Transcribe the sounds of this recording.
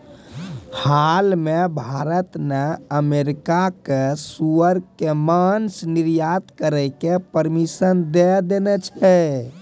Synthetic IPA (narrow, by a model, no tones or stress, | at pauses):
halmebʱaɾət̪nɛəmeɾikakesuəɾkːemansniɾjat̪kəɾɛkepəɾmisənd̪ɛd̪enɛt͡ʃʰɛ